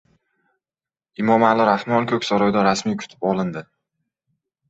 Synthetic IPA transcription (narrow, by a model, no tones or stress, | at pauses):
ɪmɒmalɪɾahmɒnkʰʲɵkʲsaɾɒjd̪aɾasmijkʰʊ̥t̪ʰɪ̥pɒlɪnd̪ɪ